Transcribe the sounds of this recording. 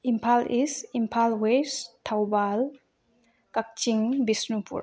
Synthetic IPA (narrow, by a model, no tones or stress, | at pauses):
impʰalisimpʰalwestʰawbal | kak̚t͡ʃiŋbisnupṵɾ